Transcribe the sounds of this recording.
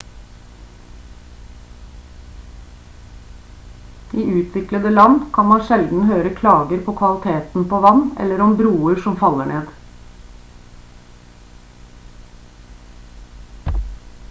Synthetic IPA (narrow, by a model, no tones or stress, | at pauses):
iːʔʉːt̪ʰʋɪkləd̪əlɑnkʰɑnmɑnʃɛld̪n̩høːɾəkʰlɑːɡəɾpʰoːkʰʋɑlɪt̪ʰeːt̪n̩pʰoːʋɑnɛ̰lːəɾɔmbɾuːəɾʃɔmfɑlːəɳeːd̪